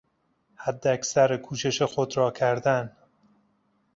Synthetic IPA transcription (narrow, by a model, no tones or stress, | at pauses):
hæd̪ːeæksæɾkʰuːʃe̞ʃexod̪ɾɒːcʰæɾd̪æn